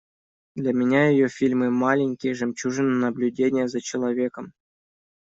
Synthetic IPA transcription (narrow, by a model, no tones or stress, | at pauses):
d̪lʲamʲɪnʲajɪjofʲilʲmɨmalʲɪnʲkʲɪjəʐɨmʲt͡ɕuʐɨnənɐblʲʉdʲenʲɪjəzɐt͡ɕɪlˠɐvʲekəm